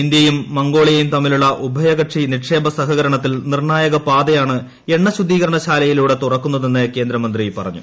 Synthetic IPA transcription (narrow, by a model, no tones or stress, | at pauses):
ind̪jɐjumːɐŋɡo̞ːɭijɐjumt̪ɐmːiluɭːɐʔubʱɐjɐɣɐʈʂiniʈʂe̞ːbʱɐsɐɦɐɣɐɾɐɳɐt̪ːilnirɳaːjɐɣɐpaːd̪ɐjaːɳɨ | e̞ɳːɐɕud̪ʱːiːɣɐɾɐɳɐɕaːlɐjiluːɽe̞t̪urɐkːunːɐðe̞nːɨke̞ːnd̪ɾɐmɐnd̪ripɐrɐ̰ɲːṵ